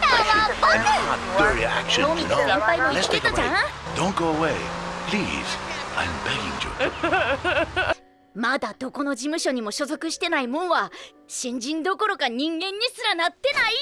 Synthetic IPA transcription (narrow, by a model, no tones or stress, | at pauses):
aabõãnɨɹiæ̰kʃɨ̃oːmind̪ẽmpaimolɛset̪oã | d̥õʊ̃n̚ɡ̥oʊəweɪpʰl̥ḭz̥ã̰ɪ̃mbɛɡɪ̰̃ŋtṵ | mad̪ad̪o̞ko̞no̞d͡ʑimɯ̟ɕo̞ɲ̟imo̞ɕo̞zo̞kɯ̟ɕi̥t̪e̞naimõ̞ɰ̃βa | ɕĩɲ̟d͡ʑĩnd̪o̞ko̞ɾo̞kaɲ̟ĩŋɡẽ̞ɲ̟ːisɨɾanat̪ːe̞nai